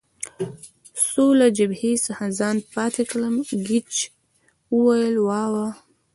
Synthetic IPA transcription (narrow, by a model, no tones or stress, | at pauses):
solad͡ʒabhesəxazɑnpɑt̪ekləmɡit͡ʃ | wəwajəlwɑwa